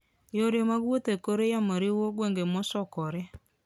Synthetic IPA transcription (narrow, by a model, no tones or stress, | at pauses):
joɾjomaɣwotekoɾejamaɾiwoɣweŋɡemosɔkɔɾe